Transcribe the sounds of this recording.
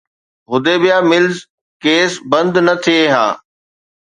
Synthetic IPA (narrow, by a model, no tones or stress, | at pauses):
ɦʊd̪ebijaːmɪlz | keːsbɐ̃nd̪nɐt̪ʰieɦã̰ː